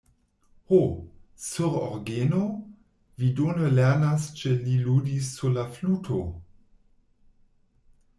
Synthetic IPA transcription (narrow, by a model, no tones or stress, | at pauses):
hosuʁɔ̰ʁɡeːno | vidoːnəlɛʁnast͡ʃəliluːdisːulafluːtʰo